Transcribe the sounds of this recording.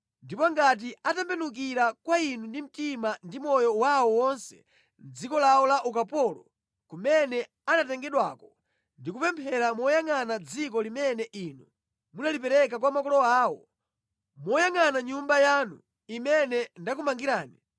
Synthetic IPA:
ndipɔŋɡat̬iatɛmbɛnuk̬iɾakwainundim̩timandimɔjɔwawɔwɔnsɛ̥ | n̩d͡zikɔlawɔlaʔukapɔlɔ | kumɛnɛ | anatɛŋɡɛɗwa̰kɔ | ndikupɛmpʰɛɾamɔjaŋanad͡zik̬ɔlimɛnɛʔinu | munalip̬ɛɾɛk̬akwamakɔlɔaːwɔ | mɔjaŋanaɲumbajanṵ | imɛnɛndakumaŋɡiɾaːni

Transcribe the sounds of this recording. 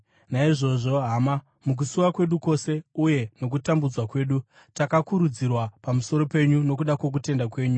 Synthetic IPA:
naiʐo̞ʐo̞ɦama | muk̬usuwakwe̞ɗuko̞se̞uje̞no̞k̬utambud͡zwakwe̞ːɗu | takakuɾud͡zirwapamuso̞ɾo̞pe̞ɲuno̞k̬uɗakwo̞k̬ute̞ndakwe̞ːɲu

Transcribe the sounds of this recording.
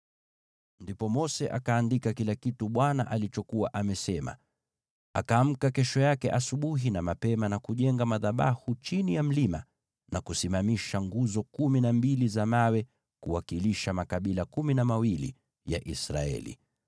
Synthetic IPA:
ndipɔmɔsɛʔa̰kaːndikakilakituɓwana̰ʔalit͡ʃɔkuwaʔamɛsɛma̰ | a̰kaːm̩kakɛʃɔjakɛʔasuɓuɦinamapɛmanakuʄɛŋɡamaðaɓa̰hut͡ʃinijam̩lima̰ | nakusimamiʃaŋɡuzɔkuminambilizamawɛ | kuwakiliʃamakaɓilakuminamawilḭ | ja̰ʔisɾa̰ɛ̰lḭ

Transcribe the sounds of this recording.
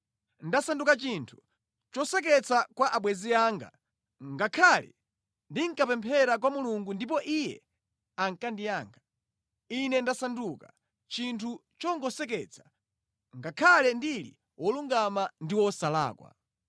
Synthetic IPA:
n̩dasandukat͡ʃintʰu̥ | t͡ʃɔsɛk̬ɛt͡sakwaʔaɓwɛziaːŋɡa̰ | ŋɡakʰalɛ̰ | ndiŋ̩kapɛmpʰɛɾak̬wamuluŋɡundip̬ɔʔijɛ̰ | aŋkandijaːŋɡa | inɛndasanduka | t͡ʃintʰu | t͡ʃɔŋɡɔsɛkɛt͡sʰḁ | ŋɡakʰalɛndilḭ | wʔɔluŋɡamandiwɔsala̰ːkwa̰

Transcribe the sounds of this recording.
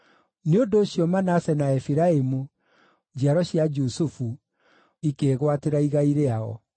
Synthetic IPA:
neondoːɕjɔmanasɛnaɛfiɾaemu | d͡ʒiaɾɔɕjad͡ʒusufu | ikeːɣwateɾaiɣaiɾeaɔ̰

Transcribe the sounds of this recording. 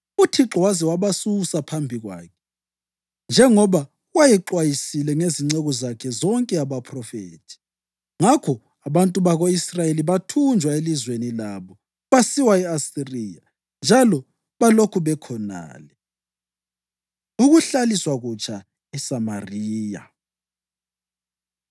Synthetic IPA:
utʰiǁɔwazɛwaβasusapʰambʱiɣwa̰ːkʰɛ̥ | nd͡ʒʱɛŋɔβa | wajiǁwajisilɛŋeziŋ͡ǀɛɣɔzakʰɛzɔŋkʼɛaβapʰrɔfḛːtʰi̥ | ŋakʰɔ | aβantʼuβaɣoisrajeliβatʰund͡ʒʱwaelizwenilaːβɔ | βasiwaɛasiriːja | nd͡ʒʱalɔ | βalokʰuβɛkʰɔna̰ːlɛ | uɣuɬaliswaɣut͡ʃʼa | isamariːja̰

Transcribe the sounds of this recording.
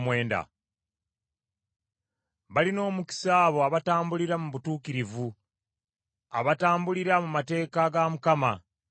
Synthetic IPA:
mwe̞ːnda̰ | βalino̞ːmuki̥saːβo̞aβataːmbuliɾamuβutuːkiɾivu | a̰βataːmbuliɾamumate̞ːkaɡamukama

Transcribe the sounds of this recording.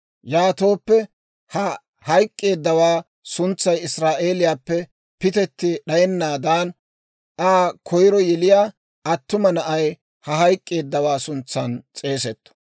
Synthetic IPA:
jaːt̪o̞ːpːɛ | hɐ | hɐjkʼːe̞ːd̪ːɐwaː | sʊnt͡sːɐjɪsɾaːʔe̞ːlɪjaːpːɛ | pɪt̪ɛt̪ːɪɗɐjɛnːaːd̪aːn | ʔaːkʰɔjɾɔjɛlɪjaː | ɐt̪ːʊmɐnɐʔɐj | hɐɦɐjkʼːe̞ːd̪ːɐwaːsʊnt͡sːɐnt͡sʼe̞ːs̬ɛt̪ːɔ̥

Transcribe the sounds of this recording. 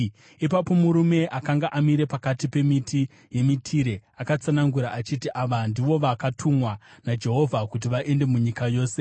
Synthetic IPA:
ipapo̞muɾume̞ʔakaŋɡaʔamiɾe̞pakatipe̞miti | je̞mitʰiɾe̞akat͡sanaŋɡuɾaʔat͡ʃitiʔaʋandiʋo̞ʋakatʰumwanad͡ʒe̞ɦo̞vʱakut̬iʋaʔe̞nde̞muɲikajo̞ːse̞

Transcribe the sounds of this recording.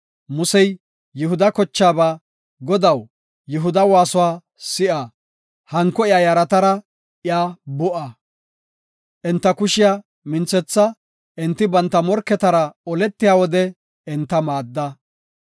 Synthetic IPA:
mʊsɛjː | ɪɦʊd̪ɐkɔt͡ʃːaːbaː | ɡɔd̪ɐw | jʊɦʊd̪ɐwaːsʊwaː | sɪʔa | hɐŋkːɔɪjaːjɐɾɐt̪ɐɾɐ | ʔɪjaːbʊʔɐ | ʔɛnt̪ːɐkʊʃɪja | mɪnt͡sːɛt͡sːɐ | ʔɪnt̪ːɪbɐnt̪ːɐmɔɾkːɛt̪ɐɾɐɔlɛt̪ːɪjaːwɔd̪ɛ | ɛnt̪ːɐmaːd̪ːɐ

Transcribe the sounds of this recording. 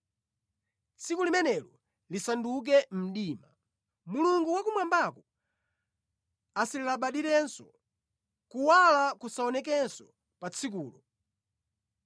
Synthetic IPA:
t͡sʰikulimɛnɛlɔ | lisanduk̬ɛm̩ɗiːma | muluŋɡuwakumwambakɔ | asilɛlaɓaɗiɾɛnsɔ | kuwalakusaɔnɛkɛnsɔ | pat͡sʰik̬uːlɔ

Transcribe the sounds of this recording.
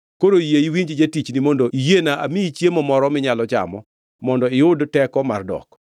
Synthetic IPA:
koɾojeiwiɲd͡ʒd͡ʒetit͡ʃnimondoʔijenaʔa̰miit͡ʃjemɔmɔɾɔmɪɲalɔt͡ʃa̰mɔ̰ | mɔndɔɪʊdtɛkɔmardɔ̰k

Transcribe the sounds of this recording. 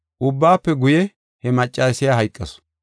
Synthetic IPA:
ʔʊbːaːpːɛɡʊjɛ | hɛmɐt͡ʃʼːaːsɪjaɦɐjkʼːɐs

